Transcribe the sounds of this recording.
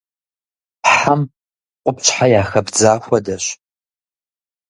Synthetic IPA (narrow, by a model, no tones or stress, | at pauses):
ħam | qʷʼʊpt͡ʃʼħajaːxɐbd͡zaːxʷɐdɐɕ